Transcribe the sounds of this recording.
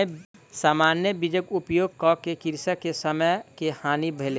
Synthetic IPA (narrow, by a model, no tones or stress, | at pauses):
saːmaːnjəbid͡ʒəkupjoːɡ̚kɔkekiɾsəkesəməjkehaːnibʱele